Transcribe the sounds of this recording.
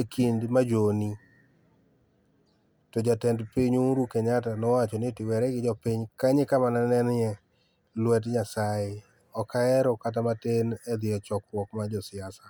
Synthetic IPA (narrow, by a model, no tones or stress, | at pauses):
ekʰindmad͡ʒoni | tɔd͡ʒatɛndpiɲuɾukɛɲatanɔwat͡ʃɔnɪtɪwɛɾɛɡɪd͡ʒɔpiɲkaɲɪkamananɛnɛ | lwɛtɲasaɪ | ɔkaɛɾɔkat̬amatenɛd̪ɪjɔt͡ʃɔkwɔkmad͡ʒɔsɪasa